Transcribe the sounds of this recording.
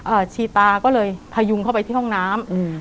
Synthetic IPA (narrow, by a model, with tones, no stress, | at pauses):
ʔɤː˧˩t͡ɕʰiː˧t̪aː˧kɔː˥˩lɤː˧jpʰa˧ju˧ŋkʰwpa˧jt̪ʰiː˥˩ɦɔ˥˩ŋnaː˦˥m˧